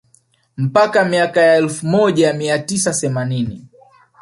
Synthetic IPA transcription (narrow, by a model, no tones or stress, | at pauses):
m̩pakamiakajaɛlfumɔʄajamiatisaθɛmanini